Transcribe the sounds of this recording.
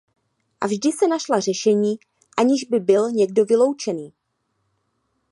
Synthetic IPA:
ʔavʒdɪsɛnaʃlar̝ɛʃɛɲiː | ʔaɲɪʒbɪbɪlɲɛɡ̚do̞vɪlowt͡ʃɛniː

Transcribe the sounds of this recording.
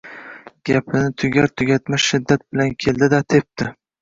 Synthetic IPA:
ɡ̥ʲapʰɪnɪt̪ʰʊɡʲaɾt̪ʰʊɡʲat̪maʃɪd̪ːat̪̚bɪlankʲʰe̞ld̪ɪd̪at̪ʰe̞p̚t̪ɪ

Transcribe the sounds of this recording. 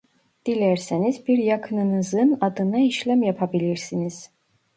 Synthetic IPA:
d̪̥ilʲæɾsinizbiɾjakʰɯnɯnɯzɯnad̪ɯnaiʃlʲæmjapʰabilʲiɾsiniz̥

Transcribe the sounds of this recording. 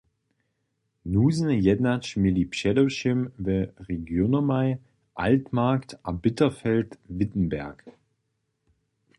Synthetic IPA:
nuːzn̩jɛdnat͡ʃmɪlipʃɛloʃɪmvɛʁeɡjonɐmaɪ | ʔaltmaɐktʔabɪtɐfɛltvɪtn̩bɛɐk

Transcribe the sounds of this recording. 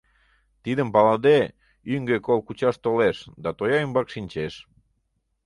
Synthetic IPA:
t̪id̪əmpɑlɑd̪e | yŋɡekolkut͡ɕɑʃt̪oleʃd̪ɑt̪ojɑymbɑkʃinʲt͡ɕeʃ

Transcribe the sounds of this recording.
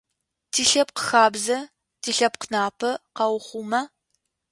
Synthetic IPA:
tʰiːɬɐp̚qə̥xaːbzɐ | tʰiːɬɐp̚qənaːpʰɐqɐwχʷumɐ

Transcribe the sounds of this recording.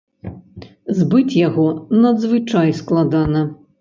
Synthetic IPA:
zbɨt͡sʲjaɣɔnɐd̪zvɨt͡ʂajsklˠad̪anɐ

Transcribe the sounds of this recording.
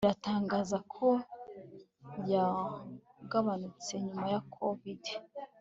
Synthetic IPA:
ɾataːŋɡaːzakʰo̞ | ja | ɡaβanut͡se̞ɲumajakʰovide

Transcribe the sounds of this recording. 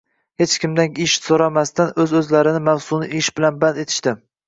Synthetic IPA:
het͡ʃkʲɪmd̪anɪʃsoɾamast̪anɵzɵzlaɾɪnɪmawsʊnɪʔɪʃbɪlanband̪e̞t̪ʰɪ̥ʃt̪ɪ

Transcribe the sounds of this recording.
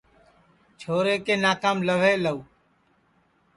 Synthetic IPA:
t͡ʃʰoːɾeːkeːnaːkaːmləʋeːləuː

